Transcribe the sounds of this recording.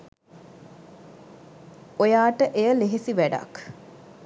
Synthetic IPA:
ojaːʈəʔejəleɦesiʋæɖa̰k

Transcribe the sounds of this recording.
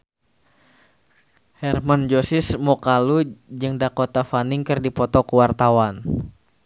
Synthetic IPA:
hɛrmand͡ʒosɪsmɔkalud͡ʒɨŋdakot̪afaniŋkɨrdipɔt̪ɔkəwart̪awan

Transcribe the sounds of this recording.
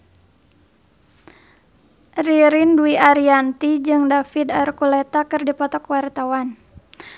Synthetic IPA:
riɾinduiʔaɾiant̪id͡ʒɨŋdafid̪arkulɛt̪akɨrdipɔt̪ɔkwart̪awan

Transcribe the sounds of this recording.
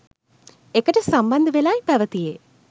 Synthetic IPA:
ekːɐʈːesɐmbɐnd̪ʱɨʋelaːjipɐʋɐt̪ːijeː

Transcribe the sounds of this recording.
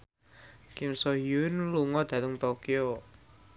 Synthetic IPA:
kɪmsɔɦiuɪnluŋɔd̪̥ä̤t̪əŋt̪okijo

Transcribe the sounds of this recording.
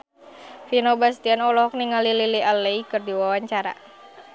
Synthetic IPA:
finobast̪ianɔlɔɦɔk̚niŋalililialːeikɨrdiwawaɲt͡ʃaɾa̰

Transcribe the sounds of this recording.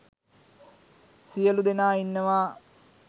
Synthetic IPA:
sijɐlud̪enaːinːəʋaː

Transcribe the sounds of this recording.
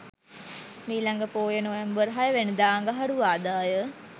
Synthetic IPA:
miːlaŋɡəpoːjənojambəɾɦajəʋenəd̪aːŋɡəɦaɽuʋaːd̪aːjə

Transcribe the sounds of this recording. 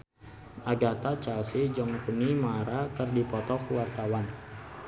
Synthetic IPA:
ʔaɡat̪at͡ʃalsid͡ʒɔŋkunimaɾakərdipɔt̪ɔkwart̪awan

